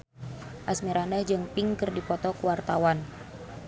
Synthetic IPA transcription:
ʔasmiɾanəhd͡ʒɨŋpiŋkɨrdipɔt̪ɔkuwart̪awan

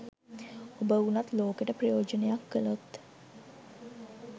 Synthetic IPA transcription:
obəunat̪loːkeʈəprejoːd͡ʒənejakːəlot̪

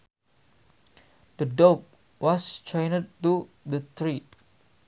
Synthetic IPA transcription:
d̥ədɔk̚ | wɔst͡ʃɔjnəd̚t̪u | dət̪ɹi

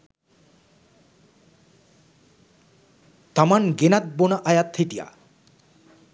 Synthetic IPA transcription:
t̪amanɡenat̪̚bonaʔajat̪ʰeʈija̰

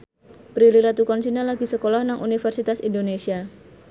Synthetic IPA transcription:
pɾiliɾat̪ukɔnsinalaɡisəkolɔhnaŋʔunifərsit̪asindonesia

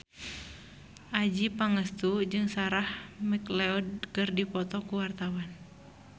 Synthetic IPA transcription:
ʔad͡ʒipaŋəst̪ud͡ʒɨŋsaɾahmiklɛɔd̚kɨrdipɔt̪ɔkuwart̪awan

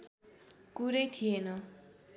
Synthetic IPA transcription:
kuɾʌjt̪ʰijenʌ

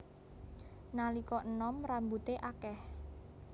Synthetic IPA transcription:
nalikɔʔənɔmɾambut̪eʔakɛh

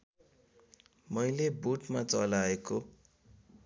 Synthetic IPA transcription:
mʌjlebuʈmat͡sʌlaeko

